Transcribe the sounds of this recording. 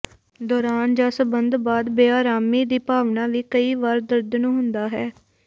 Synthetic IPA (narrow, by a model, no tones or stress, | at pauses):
d̪ɔːɾaːnd͡ʒaːsəbənd̪baːd̪beːaːɾaːmiːd̪iːpaːʋnãːʋiːkəiːʋaːɾd̪əɾd̪nũːɦʊnd̪aːɦɛː